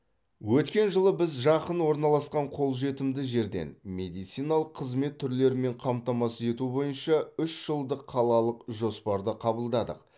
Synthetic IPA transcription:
wɵt̪kʲe̞nʒəlˠəbɪzʒɑqənwo̞ɾnɑlˠɑsqɑɴqʰo̞lˠʒe̞t̪ɪmd̪ɪʒe̞ɾd̪e̞̰nme̞d̪ijt̪sijnɑlˠəqʰːəzme̞t̪ʰːʏɾle̞ɾɪme̞ɴqʰɑmt̪ɑmɑse̞t̪ubo̞jənʃɑʏʃʒ̥əlˠd̪əqʰːɑlˠɑlˠəqʒo̞spɑɾd̪əqʰɑbəlˠd̪ɑd̪ə̰q

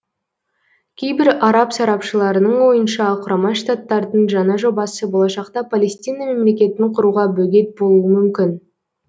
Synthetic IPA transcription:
kʲʰe̞jbɪɾɑɾɑpsɑɾɑpʃəlˠɑɾənəɴwo̞jənʃɑqʰʊɾɑmɑʃt̪at̪ːɑɾd̪əɴʒɑnɑʒo̞bɑsəbo̞lˠɑʃɑqt̪ɑpʰalʲe̞st̪ijnɑme̞mle̞kʲe̞t̪ɪɴqʰʊɾuʁɑbɵɡʲe̞t̪̚bo̞lˠuəmʏmkʲɪn

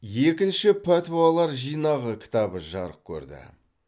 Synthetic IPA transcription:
je̞kʲɪnʃɪpʰæt̪ualˠɑɾʒijnɑʁəkʲʰɪ̥t̪ɑbəʒɑɾəq̚kʲʰɵ̰ɾd̪ɪ̰

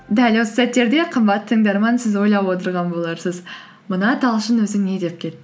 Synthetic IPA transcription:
d̪ælʲwo̞sə̥sæt̪ːe̞ɾd̪e̞qʰəmbɑt̪ːət̪ʰəŋd̪ɑɾmɑnsɪzwo̞jlˠɑpwo̞t̪əɾʁɑnbolˠɑɾsəz | mənɑt̪ʰɑlˠʃənwɵzɪŋne̞d̪e̞p̚kʲʰe̞t̪ːɪ

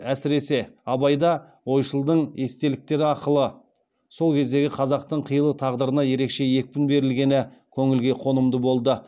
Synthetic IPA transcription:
æsɪɾe̞se̞ɑbɑjd̪ɑ | wo̞jʃəlˠd̪əɴe̞st̪e̞lɪk̚t̪e̞ɾɪɑɾqəlˠə | so̞lˠkʲʰe̞zd̪e̞ɡʲɪqʰɑzɑq̚t̪əɴqʰəjəlˠət̪ʰɑʁd̪əɾənɑje̞ɾe̞kʃe̞je̞k̚ʲpɪnbe̞ɾɪlɡʲe̞nɪkʲʰɵŋɪlɡʲe̞qʰo̞nəmd̪əbo̞lˠd̪ə

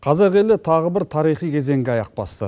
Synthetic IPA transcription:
qʰɑzɪɾʁe̞lɪt̪ʰɑʁəbɪɾt̪ʰɑɾijχijkʲʰe̞ze̞ŋɡʲeɑjɑq̚pɑ̰st̪ə̰

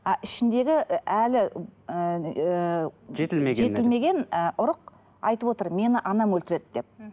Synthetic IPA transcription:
ɑʔɪʃɪnd̪e̞ɡʲɪʔælɪ | ʒet̪ɪeʒe̞ɪlme̞ɡʲe̞nʊɾəq | ɑ̰jt̪əpwo̞t̪əɾme̞nɪʔɑnɑmwɵlt̪ɪɾe̞d̪ɪd̪e̞p̚

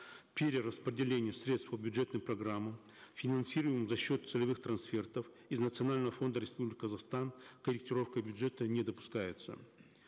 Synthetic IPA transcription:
pʲeɾʲɪrəspɾʲɪdʲɪlʲenʲɪjəsɾʲet̪st̪fpəbʲjʊdʐɛt̪nɨjmprɐɡɾamːəm | fʲɪnɐnsʲiɾɨvjɪmɨmzɐɕːo̞t̪̚t̪sɨlʲɪvɨxt̪ɾɐnsfʲe̞rt̪əf | ɪznət̪sɨɐnalʲnəvəfo̞nd̪əɾʲɪspublʲɪkʲkəzɐxst̪ankəɾʲɪk̚tʲɪɾo̞fkəbʲʊdʐɛt̪ənʲɪd̪əpʊ̥skajɪt̪sə̰

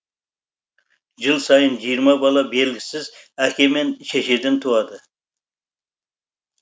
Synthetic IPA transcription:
ʒɨlˠsɑjənd͡ʒijəɾmɑbɑlˠɑbelɡʲɪsɪzækʲʰemenʃʰeʃed̪ɪnt̪ʰuɑd̪ɨ

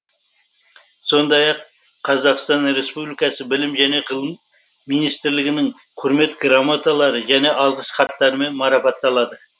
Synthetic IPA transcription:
so̞nd̪ɑjɑqʰː | ɑzɑqst̪ɑnre̞spublikɑsəbɪlɪmʒæne̞qʰəlˠəmː | ijnijst̪ɪɾlɪɡʲɪnɪŋ | qʰʊɾme̞t̪ɡɾamat̪alˠɑɾəʒæne̞ʔɑlˠʁəsχɑt̪ːɑɾəme̞nmɑɾɑpɑt̪ːɑlˠɑd̪ə

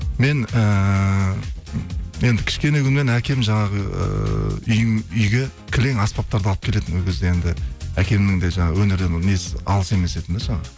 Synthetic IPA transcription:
me̞nə | je̞nd̪ɪkʲʰɪ̥ʃkʲe̞ne̞kʰʲʏnme̞nækʲe̞mʒɑɴɑʁəə̰ʏjʏjɡʲe̞kʲʰɪle̞ŋɑspɑp̚t̪ɑɾd̪ɑlˠəpkʲʰe̞le̞t̪ɪnwɵlɡʲezd̪eje̞nd̪ɪækʲe̞mnɪŋd̪e̞ʒɑɴɑwɵneɾd̪ennesɑ̰lˠəse̞me̞se̞t̪ɪnd̪eʒɑɴɑ

